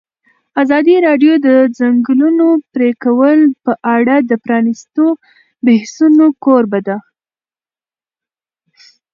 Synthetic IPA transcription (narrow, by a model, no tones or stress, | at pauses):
azɑd̪iɾɑɖjod̪əzaŋɡlunopɾekawəlpəʔaɽad̪əpɾɑnist̪o | behsunokoɾbad̪a